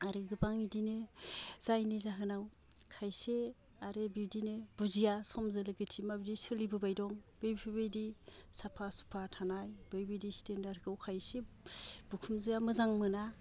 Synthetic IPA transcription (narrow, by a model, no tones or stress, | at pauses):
aɾɯɡɯbaŋidinɯz̥ajnizaɦɯnaw | kʰajse | aɾebildineb̥uzijasɔmzɯlɯɡɯtʰimabidisɯlibɯbajdɔŋbejbpʰibejdisapʰasu̥pʰatʰanajb̥ɯjbɯjdistendaɾɡɯwkʰajse | b̥ukʰumzɯjamɯzaŋmɯna